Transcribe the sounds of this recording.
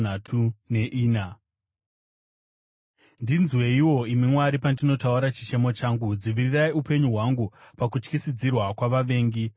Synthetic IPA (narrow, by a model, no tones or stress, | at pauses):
natʰune̞ʔiːna | ndinzwe̞iwo̞imimwaɾipandino̞tauɾat͡ʃi̥t͡ʃe̞mo̞t͡ʃaːŋɡud͡ziʋiriraiupe̞ɲuɦwaŋɡupakut͡ʃkisid͡zirwakwaʋaʋe̞ːŋɡi